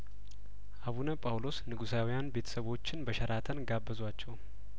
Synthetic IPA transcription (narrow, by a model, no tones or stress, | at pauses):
ʔaβunəpʼawlo̞snɨɡusawijanbe̞t̪ʰə̥səβo̞t͡ʃːɪnbəʃɛɾʔat̪ʰənɡabːəzwat͡ʃːɛw